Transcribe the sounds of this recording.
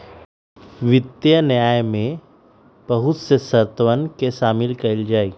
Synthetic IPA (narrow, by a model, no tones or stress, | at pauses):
ʋɪt̪jənjaːjmẽ | b̥ɐɦʊt̪sesɐɾt̪ʋənkeʃaːmɪlkɐɪld͡ʒaːiː